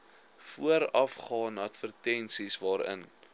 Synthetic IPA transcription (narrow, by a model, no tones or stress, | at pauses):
fuəɾɐfχɑːnɐtfərtɛnsisvɑːɾə̰n